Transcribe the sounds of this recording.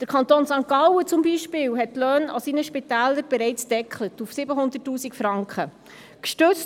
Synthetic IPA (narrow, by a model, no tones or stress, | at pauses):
d̥əɾkʰɑntoːnsɑŋkɑwət͡sʊmbiːʃpɪːwɦɛtːlœːnɑ̰siːnəʃpitæːləɾb̥ɛɾɛɪt͡sd̥ɛkχlətufsɪbəɦʊnd̪ətːuːsikfɾɑŋkχə | kʃtøt͡st